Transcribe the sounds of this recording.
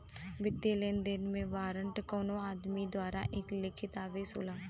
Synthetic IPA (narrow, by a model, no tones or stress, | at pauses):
bɪt̪ːeːlend̪ɪnmẽːʋaːɾəɳʈkoːnõːaːd̪miːd̪waːɾaːʔeklɪkʰɪt̪aːʋeːsoːlaː